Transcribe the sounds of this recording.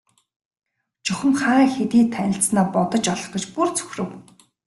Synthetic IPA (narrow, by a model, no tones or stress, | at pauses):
t͡ɕɵxʲə̆mχaːŋxet̪iːt̪ʰænʲɪ̆ɬt͡snaːpɔt̪ɞ̆t͡ɕɔɮɞ̆χɡə̆t͡ɕpurt͡sʰɵ̥xrɘ̆w